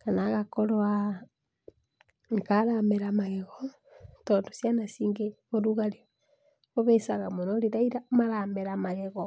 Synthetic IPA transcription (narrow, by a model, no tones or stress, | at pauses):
kanaɣakoɾoa | ŋkaɾameɾamaɣɛɣɔ | tondo̥sjanasiːŋɡeɣoɾuɣaɾe | oβesaɣamonoɾeɾaiɾamaɾameɾamaɣeɣɔ